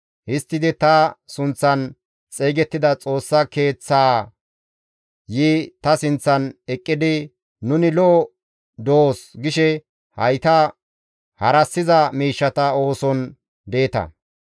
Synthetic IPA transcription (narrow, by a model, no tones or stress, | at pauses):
hɪst̪ːɪd̪ɪt̪ɐsʊnt͡sːɐn | t͡sʼeːɡɛt̪ːɪd̪ɐt͡sʼo̞ːsːɐke̞ːt͡sːaː | jiːt̪ɐsɪnt͡sːɐnɛkʼːɪd̪ɪ | nʊnɪlɔː | d̪oːsɡɪʃɛ | hɐjt̪ɐ | hɐɾɐsːɪzɐmiːʃːɐt̪ɐo̞ːsɔn | d̪e̞ːt̪ɐ̰